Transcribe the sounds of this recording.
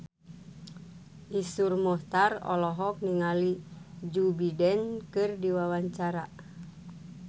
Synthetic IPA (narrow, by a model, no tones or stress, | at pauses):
ʔisurmɔht̪arɔ̰lɔɦɔk̚niŋalid͡ʒubidɛnkɨrdiwawaɲt͡ʃaɾa